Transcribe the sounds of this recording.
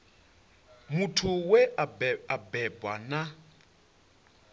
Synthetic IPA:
mutʰuwɛaabɛbwana

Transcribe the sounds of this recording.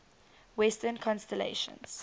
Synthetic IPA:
wɛstənkʰɔ̃nstɛlḛɪʃə̰̃ns

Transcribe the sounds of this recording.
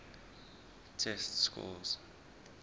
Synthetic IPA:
tʰɛstskʰṵlz

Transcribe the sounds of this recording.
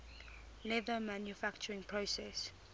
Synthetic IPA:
lɛvəmãnjufakt͡ʃəɹɪ̃ŋpʰɹosɛs

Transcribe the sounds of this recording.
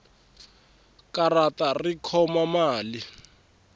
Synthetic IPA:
karatarikʰɔmamaːli

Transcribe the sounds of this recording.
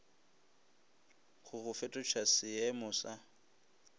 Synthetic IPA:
ɣʊɣʊfɛtʼɔt͡ʃʰasɪɛmɔsa

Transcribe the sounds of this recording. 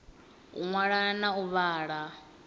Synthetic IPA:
ṵŋwaɺanauβaːɺa

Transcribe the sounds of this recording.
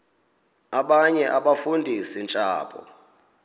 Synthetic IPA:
aɓaɲɛʔaɓafundʱisint͡ʃʼa̰ːpʰʼɔ̰

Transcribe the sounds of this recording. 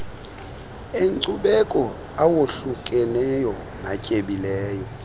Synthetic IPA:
eǀuɓɛkʼɔ | awoɬukʼɛnɛjɔ | nacʼeɓilɛːjɔ

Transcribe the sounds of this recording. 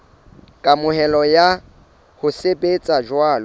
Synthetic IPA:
kʼamʊhɛlɔja | hʊsebet͡sʼad͡ʒwaːlɔ

